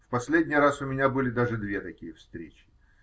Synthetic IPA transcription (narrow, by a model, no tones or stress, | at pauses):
fpɐsʲlʲedʲnʲɪjɾasʊmʲɪnʲabɨlʲɪd̪aʐɨd̪vʲet̪ɐkʲijəfst̪ɾʲet͡ɕɪ̥